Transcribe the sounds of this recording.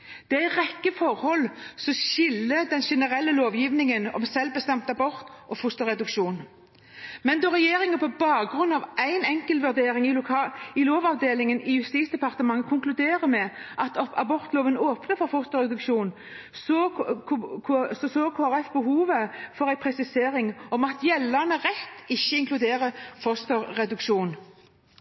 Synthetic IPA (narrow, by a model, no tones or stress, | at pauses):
d̪̥ɛææɪʁɛkːəfɔʁhɔlsɔʃɪlːəd̪ɛnʃɛnəʁɛlːəloːʋjiʋnɪŋənɔ̰msɛlbəst̪ɛmt̪ɑbɔɾt̪ʔɔfʊst̪ɔʁɛd̪ʉkʃuːn | mɛnd̪ɔʁɛjeːɾɪŋəpʰɔbɑːɡɾʉnːɑʋʔæɪnɛŋkəlʋʉʁd̪eːɾɪŋɪʊɪloːʋɑʋd̪eːlɪŋənɪjʉst̪iːt̪sd̪ɛpɑʁt̪əmɑŋːəkʰʊŋklʉd̪eːʁəmɛʔɑt̪ɑbɔʁt̪loːʋənoːpnəfɔʁfʊst̪ɔʁɛd̪ʉkʃuːn | so | kʰːsɔsoːkʰoːæɾɛfbəɦuːʋəfɔʁæɪpʰɾɛsɪseːɾɪŋɔmɑt̪jɛlːənəʁɛt̪ːɪçːəɪŋklʉd̪eːʁəfɔst̪ɔʁɛd̪ʉkʃuːn